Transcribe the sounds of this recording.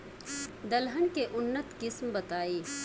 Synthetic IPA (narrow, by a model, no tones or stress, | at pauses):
d̪ɐlɦənkeʔʊnːət̪kɪsmbɐt̪aːeː